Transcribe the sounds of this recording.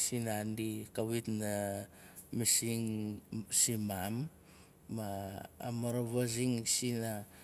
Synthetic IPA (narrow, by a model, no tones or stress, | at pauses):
sinandikawitna | misiŋsimamː | a̰ːmaɾoβaziŋsina